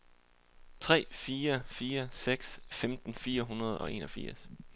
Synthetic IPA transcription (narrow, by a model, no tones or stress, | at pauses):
t͡sʰʁɛ̰ːfiːɐfiːɐseɡ̥sfemd̥n̩fiːɐɦunɐð̞ˠɒ̽ʔe̝̰ːnɒ̽fiɐ̰s